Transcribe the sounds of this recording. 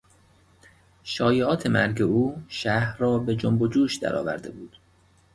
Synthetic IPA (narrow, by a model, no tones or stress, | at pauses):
ʃɒːjeɒːt̪ʰe̞mæɾɡe̞uːʃæhrɒːbe̞d͡ʒombod͡ʒuːʃd̪æ̰ɾɒ̰ːvæ̰ɾd̪e̞̰buːd̪̥